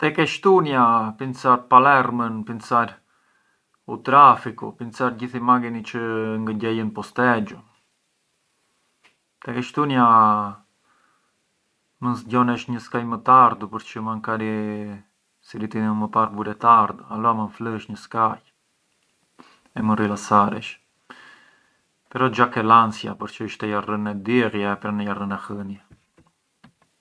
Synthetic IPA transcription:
t̪ɛkɛʃt̪unjapinsaɾpalɛɾmənpinsaɾ | ut̪ɾafikṵpint͡saɾɟiθimaɡinit͡ʃəŋɡəɟɛjənpɔst̪ɛd͡ʒu | t̪ɛkɛʃt̪unja | mənsɟɔnɛəʃɲəskajmət̪aɾd̪upəɾt͡ʃəmaŋkaɾi | siɾit̪iəməpaɾbuɾɛt̪aɾd̪alɔamənfləʃɲəskaj | ɛmərilasaɾɛ̰ʃ | pɛɾɔd͡ʒakɛlansja̰pəɾt͡ʃəiʃt̪ɛjarənɛd̪irjɛpɾɛnəjarənɛhənjɛ

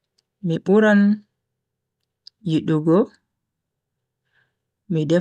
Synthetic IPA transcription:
miɓuɾan | jiɗuɡɔ | midɛ

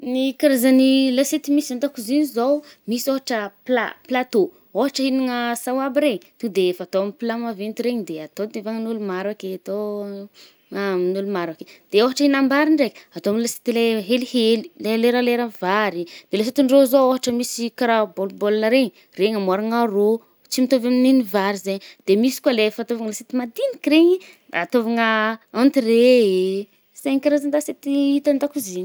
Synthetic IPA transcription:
nikaɾazanilaset̪imisiant̪akuzinizowmisioɦaʈ͡ʂəplaplat̪o | oɦaʈ͡ʂəiniŋəsawabiɾeɲt̪ud̪eefaat̪oamipilamavent̪iɾeɲid̪eat̪od̪evaŋanulumaɾakeat̪o | aminulumaɾaked̪̥eoɦaʈ͡ʂəinambaɾiɳɖ͡ʐekʲat̪oamnilase̥t̪ileɦelihelileleɾaleɾavaɾid̪̥eles̬et̪iɳɖ͡ʐozooɦaʈ͡ʂəmisikɾabolbolnəɾeɲi | reŋamaɾaŋaro | t͡simit̪ovamininivaɾizeɲd̪̥emisi̥kalefat̪ovaŋəlaset̪imad̪inikireɲi | a̰ːt̪ovaŋəant̪iree | zeɲikaɾazand̪aset̪iit̪and̪akuziɲ

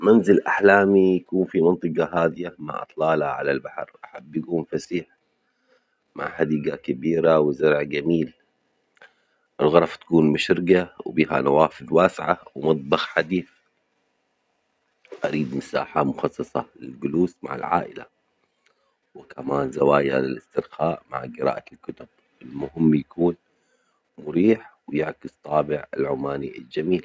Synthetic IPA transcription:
manzɪlʔaħlaːmijakuːnfimɑnt̪ˤɨqɑɦaːd̪ɪjama̰ʕʔɑ̰t̪ˤlɑːlha̰ʕa̰lalbaħɑɾʔaħabːjaɡuːnfasiːħ | ma̰ʕħad̪iːɡakabiːɾawɪzɑɾˤʕɡamiːl | ʔɪlɣɑɾˤɑft̪ḁkuːnmʊʃɾɪɡawbiːɦa̰nawaːfɪðwaːsɪʕawɪmɑt̪̚ˤbɑxħad̪iːθ | ʔaɾiːd̪mʊsa̰ːħamʊxɑsˤːɑsˤɑlɪlɡʊluːsma̰ʕɪ̰lʕa̰ːʔɪla̰ | wɪkʰamaːnzawaːjlɪ̰lɪst̪ɪɾxaːʔma̰ʕɡɪɾa̰ːʔalkʊt̪ʊb̚ | ʔɪlmʊhɪmːjakuːn | mʊɾiːħwjɪʕkɪst̪ˤɑːbɪʕɪlʕʊmaːniʔɪ̰ld͡ʒamiːl

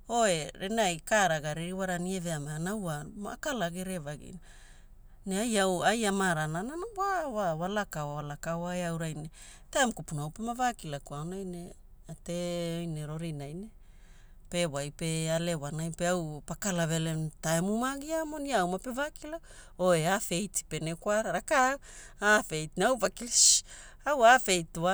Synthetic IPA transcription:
oe̞ɾenajkaɾaɡaɾeɾiwaɾanieveamanawamakalaɡeɾevaɡḭna | neajawajamaɾanananabawawalakawwalakawaeawɾajne | teamkupunaawpemavakilakuawnajne | ateojne̞ɾo̞ɾinajne | pe̞wajpe̞alewanajpe̞awpakalave̞lentaemumaɡiamoniawmapevakilak | oeafe̞jti̥pe̞nekwaɾaɾaka | afe̞jtneawpakilʃawafe̞jtua

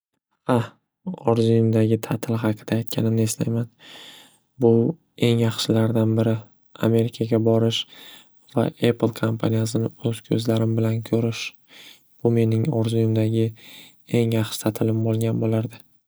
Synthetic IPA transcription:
ha | ɒɾzujumd̪aɡʲɪt̪ʰat̪ʰɪlˠɦɑqʰɨd̪̥aːjt̪̚kʲʰanɪmnɪe̞st̪a̰jman | bʊ | e̞ŋjɑχʃɪlaɾd̪anbɪɾɪ | a̰me̞ɾɪkʰaɡʲabɒɾɪʃ | va̰ʔeplˠkʰompʰanijas̬ɪnɪɵz̥kʲʰɵzlaɾɪmbɪlankʲʰɵɾɪʃ | b̥ʊme̞nɪŋɒɾzujumd̪aɡʲɪ | e̞ŋjɑχʃɪ̥t̪ʰat̪ʰɪlɪmbolˠɡʲanbolaɾd̪ɪ

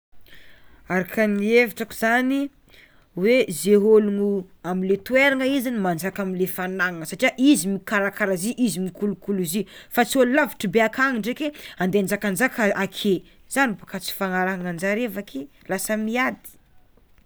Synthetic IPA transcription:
aɾakʰanieviʈ͡ʂaku̥z̥ani | wezeɦolunuamilet̪ueɾaŋəizinimand͡ʒakaminlefanaŋaŋəsaʈ͡ʂiaʔizimikaɾakaɾaziʔizimikulukuluzifat͡siolulavi̥ʈ͡ʂəbeakʰaŋiɳɖ͡ʐekeand̪eand͡ʒakand͡ʒakʰaʔakʰe | z̥anibakat͡si̥faŋaɾaɦaŋand͡ʒaɾevakʰi | lasəmiad̪i̥

